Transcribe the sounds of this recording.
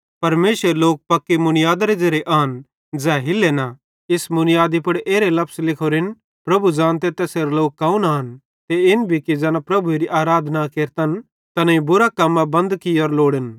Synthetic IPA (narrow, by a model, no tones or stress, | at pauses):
pɐɾmeːsɾeloːk̚pɐkːemʊnɪjaːd̪ɾed͡ʒɐɾeʔaɦɐn | d͡ʒɛːɦɪlːena | ɪsmʊnɪjaːd̪ipʊɽʔeːɾelɐpslɪkʰoɾɪn | pɾɐbʱud͡ʒãːnt̪et̪ɛːseɾloːkːaːunaɦɐn | t̪eɪnbʱikid͡ʒɛːnapɾɐbʱuɾiʔaːɾaːd̪ʱnakeːɾt̪ən | t̪ɐnãĩbʊɾakɐmːabɐ̃nd̪kɪɔːɾloːɽən